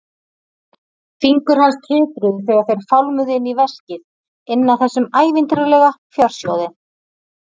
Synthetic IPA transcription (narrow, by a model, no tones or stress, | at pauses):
fiŋkʏɾ̥hanst̪ʰɪːt̪ɾʏðθɛːɣaɾ̥θejɾ̥fawlmʏðɪnːivɛscɪð | ɪnːaθɛsːʏmaːjvɪnt̪ɾalɛɣafjœr̥sjowðɪn